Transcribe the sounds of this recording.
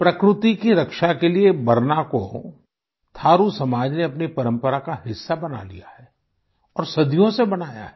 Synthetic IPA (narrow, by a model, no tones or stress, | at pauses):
pɾɐkɾʊt̪ikiɾɐkʃakeliebɐɾnako | t̪ʰaːɾusɐmaːd͡ʒneɐpnipɐɾə̃mpəɾakaɦɪsːabɐna̰lḭja̰ɦɛː | ɔːɾsɐd̪ʱijõsebɐnaːja̰ɦɛ